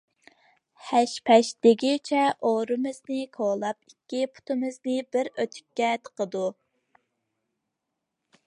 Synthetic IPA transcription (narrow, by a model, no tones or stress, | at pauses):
hɛʃpʰɛʃd̪̥ɪɡʲijt͡ʃʰɛʔoɾɨmɨznɨkʰolˠɑpikʲːipʰu̥t̪ʰɨmɨznɪbɪɾøt̪ʰy̥kʲːɛt̪ʰə̥qəd̪u